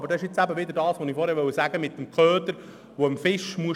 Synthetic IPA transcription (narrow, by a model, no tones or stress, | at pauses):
b̥əɾdɑɪʃɪt͡sæbəʋɪd̪əɾdɑːsʋonifɔːɾhɛɾʋœwəsæɡəmɪt̪ːəmkʰœːt̪əɾ | ʋoəmfɪʃmuə